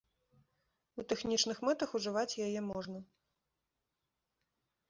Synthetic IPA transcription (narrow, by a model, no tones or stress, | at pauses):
ut̪ɛxnʲit͡ʂnɨxmɛt̪ɐxuʐɨvat͡sʲjajɛmɔʐnɐ